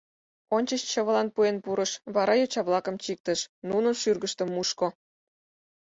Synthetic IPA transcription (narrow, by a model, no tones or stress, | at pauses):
onʲt͡ɕəɕt͡ɕə̆βə̆lɑnpuenpuɾə̆ʃβɑɾɑjot͡ɕɑβlɑkə̆mt͡ɕik̚t̪ə̆ʃnunənʃyrɡəʃt̪ə̆mːuʃko